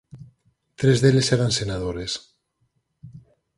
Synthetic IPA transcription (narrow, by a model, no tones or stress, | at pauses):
t̪ɾezðeleseɾansenað̞oɾes